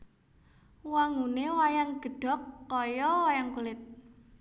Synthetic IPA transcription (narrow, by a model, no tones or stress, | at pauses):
waŋɡunewajaŋɡ̥ə̤ɖ̥ɔ̤kːɔjɔwajaŋkulɪt̪̚